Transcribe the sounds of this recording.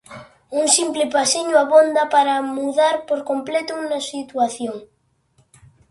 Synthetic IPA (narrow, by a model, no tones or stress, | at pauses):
uŋsimplɪpasiɲʊaβond̪apaɾamuðaɾpoɾkomplɛt̪ʊunasit̪waθjoŋ